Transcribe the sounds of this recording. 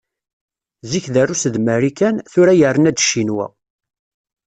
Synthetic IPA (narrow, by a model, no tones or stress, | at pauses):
ziçðærusəðməɾikænθʊɾæjərːənæd̪ʃinwæ̰